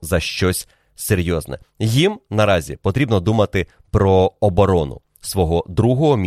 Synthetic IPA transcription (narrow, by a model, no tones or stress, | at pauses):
zɐʃt͡ʃɔsʲ | seɾʲjɔznɛ̰jimnɐɾɑzʲḭpɔt̪ɾʲibnɔd̪umɐt̪ɪ | pɾɔːbɔɾɔnʊ̰ | sʋɔɦɔd̪ɾuɦɔɦɔmʲ